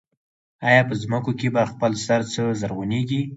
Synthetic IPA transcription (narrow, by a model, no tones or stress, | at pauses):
ɑjɑpəzməkokebaxpəlsaɾt͡səzaɾɣuneɡi